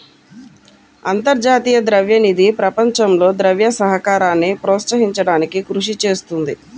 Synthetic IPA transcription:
ɐ̰nt̪ɐɾd͡ʒaːt̪iːjɐd̪ɾɐʋjɐnid̪ʱipɾɐpɐɲt͡ʃɐmlo̞ːd̪ɾɐʋjɐsɐɦɐkaːɾaːnːipɾɔːt̪sɐɦiɲt͡ʃɐɽaːnikikɾuʂit͡ʃe̞ːst̪und̪i

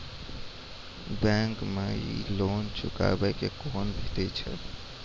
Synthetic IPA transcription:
bɛŋkmeḭloːnt͡ʃʰʊka̰bəkekoːnbʱet̪ɛt͡ʃʰə̰

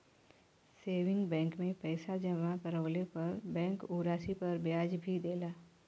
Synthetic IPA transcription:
seːʋɪ̃ŋɡbɛ̃ːŋkmẽpɛːsad͡ʒəmakəɾəːlepɐɾbɛ̃ːŋkuːɾaːsipɐɾbjaːd͡ʒbʱid̪eːlaː

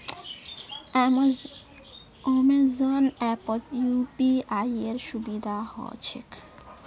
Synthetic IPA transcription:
ɔmezonɛpɔt̪jupiajeɾʃubid̪ʱahɔ̰et͡ɕʰḛk

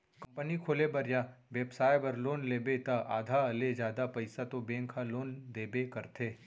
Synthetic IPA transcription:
kɐ̃mpənikʰoːlebɐɾjaʋeːbsaːjbɐɾloːnleːbet̪aʔa̰ːd̪ʱaɐled͡ʒjaːd̪apɐɪsat̪obẽːŋkʰaloːnd̪eːbekɐɾt̪ʰeː

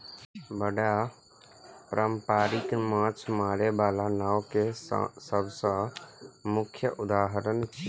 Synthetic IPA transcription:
bəɽa | pɾʔəmpaːɾɪk̪mãːt͡ʃʰmaːɾebaːlanaːwkḛsəbsə̃ | mʊkʰjəʔʊd̪aːɦəɾənt͡ʃʰ

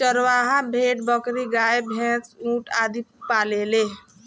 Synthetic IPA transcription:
t͡ʃəɾwaɦabʱeʈ̚bəkɾiɡaebʱẽt͡sũʈad̪ʱippalele

